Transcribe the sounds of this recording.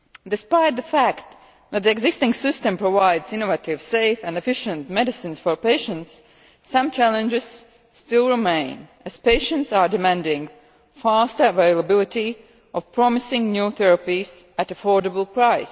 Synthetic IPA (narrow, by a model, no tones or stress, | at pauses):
d̪ɨspaɪt̪̚ðəfækt̪ | ðæt̪̚ðiɛɡzɪstɪ̃ŋsɪstɨ̃mpɹɔvaɪdzɪ̃novətɪv̥seɪfæ̃ndɨfɪʃə̃ntmɛdɨsɨ̃nsfɔɹpeɪʃə̃ntsː | ʌ̃mt͡ʃælə̃nd͡ʒɪz̥ | stɪlˠɹɪmẽɪ̃n | æz̥peɪʃə̃ntsaɹdɨmæ̃ndɪ̃ŋ | fastə˞əveɪlˠəbɪlˠɪti | ʔɔv̥pɹɔmɪsɪ̃ŋnjuθɛɹəpizætəfɔɹdəbl̩ˠpɹaɪs